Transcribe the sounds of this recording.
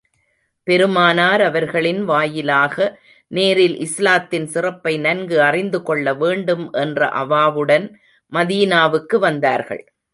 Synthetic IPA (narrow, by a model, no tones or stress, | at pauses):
pɛɾɯmaːnaːɾɐʋɐɾɣɐɭɪnʋaːjɪlaːɣɐ | neːɾɪlʔɪslaːt̪ːɪnsɪrɐpːɐɪnɐnɡɯɐrɪnd̪ɯkɔɭːɐʋeːɳɖɯmʔɛndrɐ̰ʔɐ̰ʋaːʋɯɽɐn | mɐðiːnaːʋɯkːɯʋɐnd̪aːɾɣɐ̰ɭ